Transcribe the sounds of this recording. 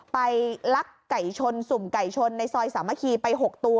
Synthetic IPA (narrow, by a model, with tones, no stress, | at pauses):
pa˧jla˦˥kːa˨˩jt͡ɕʰo˧nsu˨˩mka˨˩jt͡ɕʰo˧nːa˧jsɔː˧jsaː˩˦mːa˧˩kʰiː˧pa˧jɦo˨˩k̚t̪u˧